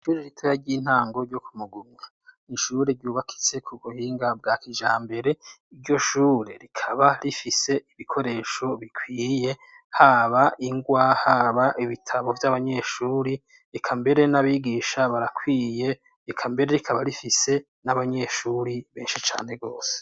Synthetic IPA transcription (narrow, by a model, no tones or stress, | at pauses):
ʃuːɾeɾitʰojaɾɟiːn̥aːŋɡo̞ɾɟokumuɡumɲa | niʃuɾeɾɟuːβakʰi̥t͡se̞kʰuɡuhiːŋɡab̚ɡaːkiʒaːmbe̞ɾe̞iɾɟo̞ʃuːɾḛɾikʰaβaɾifise̞iβikʰo̞ɾe̞ːʃo̞βikwiːje̞ | haβaʔiŋɡwaːhaβaʔiβitʰaβo̞vjaβaɲe̞ʃuːɾi | ikʰambe̞ɾe̞naβiɡiːʃaβaɾakʰwiːje̞ | ikʰambe̞ɾeɾikʰaβaɾifise̞ | naβaɲe̞ʃuːɾiβe̞ːnʃit͡ʃa̰ːne̞ɡo̞ːse̥